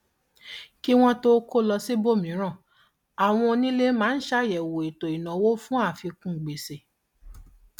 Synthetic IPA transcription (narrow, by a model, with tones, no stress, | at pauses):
ki˦w̃ɔ̃˦to˦ko˦lɔ˧si˦bo˦˨mĩ˨˦ɾ̃ã˦˨ | a˨w̃ɔ̃˧nĩ˦le˦mãː˦n̩˦ʃa˦jɛ˨wo˨i˨to˨i˨nã˨wo˦fũ˦a˦˨fi˧kũ˦˨ɡ͡be˨se˨